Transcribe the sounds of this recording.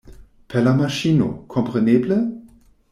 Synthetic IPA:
pʰɛlamaʃiːno̰kʰɔmpʁ̥ɛneːblə

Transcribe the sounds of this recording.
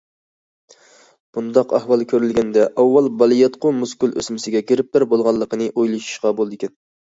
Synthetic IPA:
b̥und̪ɑqæ̰hwɑlˠkʲʰøɾylɡʲɛnd̪ɛʔɑwːɑlˠbɑlˠijɛt̪qʊmuskylø̰smɪsɪɡʲɛkʲʰeɾɪp̚b̪æɾbolˠʁɑlˠːəqənɨʔojlˠɨʃu̥ʃqɑbolˠd̪ɪkʲʰɛn

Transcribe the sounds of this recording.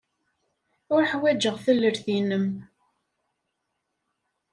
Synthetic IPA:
ʊɾħwæd͡ʒəʁθəlːəɾθinəm

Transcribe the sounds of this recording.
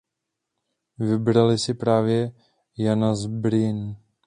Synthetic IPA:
vɪbɾalɪsɪpɾaːvjɛ | janazbɾɪn

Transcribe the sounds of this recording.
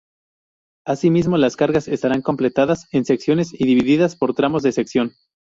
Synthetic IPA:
asimizmo̞laskaɾɣase̞st̪aɾaŋko̞mple̞t̪aðase̞nse̞ksjo̞ne̞siðiβiðiðaspo̞ɾt̪ɾamo̞zðese̞ksjo̞n

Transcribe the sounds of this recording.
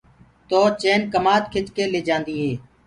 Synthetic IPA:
t̪oːt͡ʃeːnkəmaːt̪kʰɪt̪keːleːd͡ʒãːnd̪iːɦeː

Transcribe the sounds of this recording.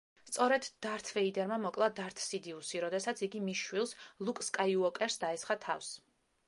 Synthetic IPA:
st̪sʼɔɾɛd̪d̪̥aɾt̪ʰvɛid̪ɛɾmamɔkʼlˠad̪aɾt̪ʰsid̪iusiɾɔd̪ɛsat̪sʰiɡimiʃwilˠslˠukʼskʼajuɔkʼɛɾsd̪aɛsχat̪ʰafs

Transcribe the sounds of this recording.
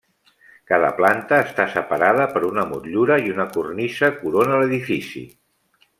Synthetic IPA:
kaðə̰plant̪əːst̪asəpəɾaðəpəɾunəmṵt̪ʎuɾəiunəkurnisəkuɾonələðifisḭ

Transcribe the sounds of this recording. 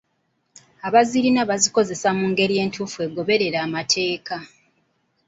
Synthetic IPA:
aβaziɾinaβaziko̞ze̞samuːŋɡe̞ɾije̞ːntuːfue̞ːɡo̞βe̞ɾe̞ɾaːmatʰe̞ːka

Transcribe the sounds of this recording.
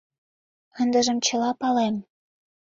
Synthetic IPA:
ənd̪ə̆ʒə̆mt͡ɕə̆lɑpɑlem

